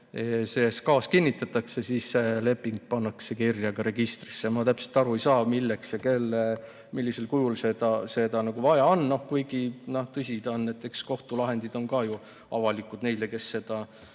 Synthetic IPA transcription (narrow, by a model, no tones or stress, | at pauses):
eseːskɑːskinʲːit̪ːˑɑt̪ːˑɑksesiːsːele̞pːˑiŋɡ̥̚pɑnːɑkse̞kirjɑɡ̥ɑɾe̞ɡ̥ist̪risːemɑt̪æpse̞lt̪ˑɑɾuejsɑːmilːekseke̞lːe | milːise̞lkujulsed̪̥ɑse̞d̪ɑnɑɡuvɑjɑonːno̞hkujɡ̥inoht̪ɤsʲid̪̥onːæet̪ːˑeksko̞ht̪ulɑɦe̞nd̪̥id̪̥o̞nkɑju | ɑ̰vɑlikˑud̪̥ne̞jleke̞sːe̞d̪̥ɑ